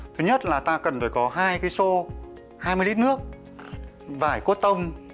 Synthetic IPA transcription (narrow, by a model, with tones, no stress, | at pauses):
t̪ʰɨ˨˦ɲə˦˥t̚laː˨˩t̪aː˧kə˨˩nfaː˧˩jkɔ˨˦ɦaː˧jkaː˨˦jso˧ | haː˧jmɨ˧li˦˥t̚nɨ˦˥ək̚ | vaː˧˩jko˦˥t̚t̪ə˧wŋ͡m